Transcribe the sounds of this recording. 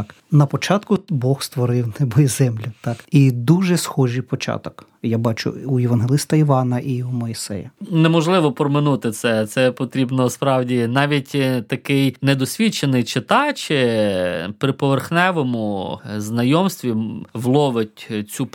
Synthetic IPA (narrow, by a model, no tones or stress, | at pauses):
k | nɐpɔt͡ʃɑt̪kʊbɔxst̪ʋɔɾɪwnɛbɔjizɛmlʲʊt̪ɑkid̪uʒɛsxɔʒijpɔt͡ʃɑ̰t̪ɔk | jabɑt͡ʃʊ̰ujeʋɐnɦelˠɪst̪ɐiʋɑnɐʔiumɔisɛ̰jɐnɛmɔʒlˠɪʋɔpɾɔmɪnut̪ɪt̪sɛt̪sɛpɔt̪ɾʲibnɔspɾɑwdʲinɑʋʲitʲt̪ɐkɪjnɛd̪ɔsʲʋʲit͡ʃenɪjt͡ʃɪt̪ɑt͡ʃɪ | pɾɪpɔʋerxnɛʋɔmʊznɐjɔmst̪ʋʲiʋlˠɔʋɪtʲt͡sʲup